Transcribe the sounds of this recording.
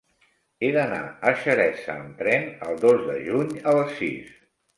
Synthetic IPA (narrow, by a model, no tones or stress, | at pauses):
eðəna̰əʃəɾɛsə̰ːmt̪ɾɛnəlˠd̪ozðəʒuɲələsːḭs